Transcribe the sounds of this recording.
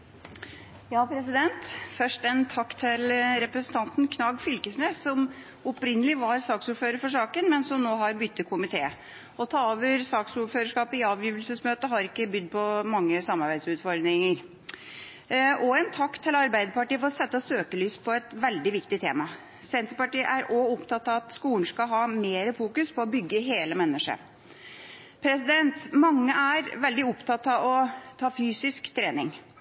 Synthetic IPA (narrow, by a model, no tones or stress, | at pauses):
jɑːpʰɾɛsɪd̪ɛnt̪fœʂʈɛnt̪ʰɑkːt̪ʰːɪlɾɛpɾəsənt̪ʰɑnt̪nkʰnɑːɡfʏlkəsneːssɔm | ɔpɾɪnːəlɪʋɑɾsɑːksuːɾføːɾəɾfɔʂɑːkənmɛnsɔmnoːɦɑɾbʏt̪ːəkʰʊmɪt̪ʰeː | ɔt̪ʰɑːoːʋəɾsɑːksuɾføːɾəʂkɑːpɪɑːʋjyːʋlsəsmøːt̪əɦɑɾɪkːəbʏd̪ːpʰɔmɑŋːəsɑmːɑɾbæɪd̪sʉːt̪fɔɾdɾɪŋəɾ | ʔɔɛnt̪ʰɑkt̪ʰːɪlɑɾbæɪd̪əpɑʈiːəfɔɾɔsɛt̪ːəsøːkəlyːspʰɔɛt̪ʋɛld̪ɪʋɪkt̪ɪt̪ʰeːmɑ | sɛnt̪əɾpɑʈiːʔæɾɔʊpt̪ʰɑt̪ɑʋɑt̪skuːɳ̩skɑlɦɑːmeːɾəfuːkʉspʰɔɔbʏɡːəɦeːləmɛnːəʂə̰ | pʰɾɛsɪd̪ɛnt̪mɑŋːəʔæɾʋɛld̪ɪʊpt̪ʰɑt̪ɑɔt̪ʰɑːfyːsɪskt̪ʰɾeːnɪŋ